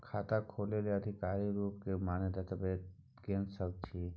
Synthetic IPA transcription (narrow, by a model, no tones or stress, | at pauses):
kʰaːt̪akʰoːleleəd̪ʱɪkaːɾiɾuːp̚kemaːned̪at̪əbe | ɡẽːnsəb̚t͡ʃʰi